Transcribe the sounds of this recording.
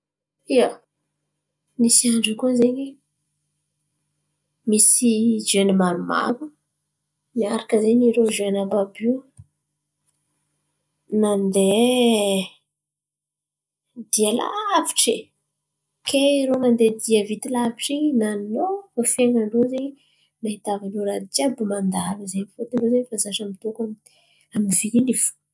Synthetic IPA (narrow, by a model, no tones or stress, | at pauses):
ia | nisiaɳɖ͡ʐikuzeɲi | misid͡ʒenimaɾuma̰ku | niaɾakəzeniɾod͡ʒenababi | nand̪e | d̪iəla̰vi̥ʈ͡ʂi | kʰeɾonand̪ed̪iəvit̪ilaviʈ͡ʂinanovofeŋaɖ͡ʐoze | naɦit̪avanoɾad̪it͡ʃiabimand̪aləzemifot̪iɳɖ͡ʐozenfazaʃamit̪okam | aminvilifu̥